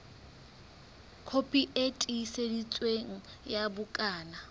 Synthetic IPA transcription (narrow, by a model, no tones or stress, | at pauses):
kʰopʼiʔetʼisedit͡sʼweŋ̩ | jabʊkʼaːna